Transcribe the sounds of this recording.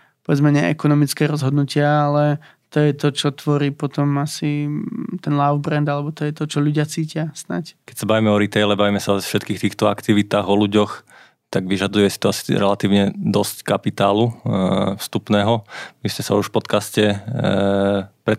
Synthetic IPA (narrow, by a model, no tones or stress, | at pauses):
pɔʋɛd͡zmɛɲɛ̰ɛkɔnɔmit͡skɛːɾɔzɦɔd̪nucɪaalɛ | t̪ɔjɛt̪ɔt͡ʃɔt̪ʋɔɾiːpɔt̪ɔmasit̪ɛnlaʊvbɾɛnd̪alɛbɔt̪ɔjɛt̪ɔt͡ʃɔʎuɟɪat͡siːcɪasna̰ckɛcsabaʋimɛɔɾit̪ɛjlɛbaʋimɛsafʃɛt̪kiːxt̪iːxt̪ɔakt̪iʋit̪aːɣɔluɟɔx | t̪aɡʋiʒad̪ujɛsi̥t̪ɔasi̥ɾɛlat̪iːʊɲɛd̪ɔsckapit̪aːlufst̪upnɛːɦɔmiscɛsa̰uʃfpɔt̪kascɛ | pɾɛ